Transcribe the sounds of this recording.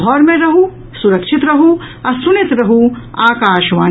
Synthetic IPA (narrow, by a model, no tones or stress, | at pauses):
ɦɔːɾmẽɾɐɦũ | suɾɐkʃɪt̪ɾɐɦũɐsʊnɪt̪ɾɐɦũaːkaːʃʋaː